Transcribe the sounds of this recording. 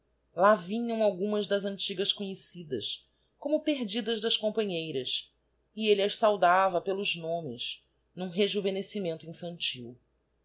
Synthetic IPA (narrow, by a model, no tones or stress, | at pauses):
lavĩɲɐ̃w̃awɡũmɐzd̪ɐzɐ̃nt͡ʃiɡɐʃkõɲesid̪ɐ̰s | kõmʊpeɦd͡ʒid̪ɐzd̪ɐskõmpɐ̃ɲejɾɐs | ɪeliɐʃsawd̪avɐpelʊznõmɪz | nũɦeʒuvenesimẽnt̪ʊĩfɐ̃nt͡ʃiw